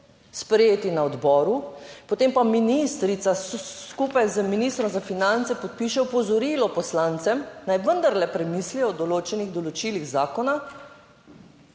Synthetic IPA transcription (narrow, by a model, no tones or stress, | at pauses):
spɾɛjeːt̪inaɔd̪bɔːɾupot̪empaminist̪ɾit̪saskupajzəminist̪ɾɔmzafinant̪sɛpɔt̪̚piːʃɛɔpɔzɔɾilɔpɔslant̪sɛmnajʋənd̪aɾlɛpɾɛmiːsliɔd̪ɔloːt͡ʃɛniɣd̪ɔlɔt͡ʃiliɣzaːkɔna